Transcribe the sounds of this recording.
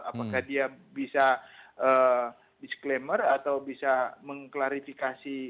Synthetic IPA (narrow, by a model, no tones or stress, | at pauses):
apakahdiabisaʔə | disklemərat̪awbisaməŋklaɾifikasi